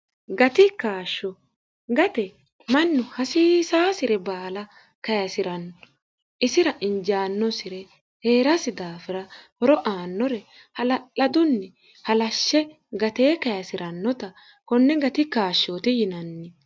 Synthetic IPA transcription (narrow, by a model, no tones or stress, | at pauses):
ɡɐt̪ɪkaːʃːɔ | ɡɐt̪ɛ | mɐnːʊhɐsiːsaːsɪɾɛbaːlɐ | kɐjɐsɪɾɐnːɔ | ʔɪsɪɾɐʔɪɲd͡ʒaːnːɔsɪɾɛ | he̞ːɾɐsɪd̪aːfɪɾɐhɔɾɔʔaːnːɔɾɛ | hɐlɐlɐd̪ʊnːɛ | hɐlɐʃːɛ | ɡɐt̪eːkɐjɐsɪɾɐnːɔt̪ɐ | kɔnːɛɡɐt̪ɪkaːʃːoːt̪ɪjɪnɐnːɪ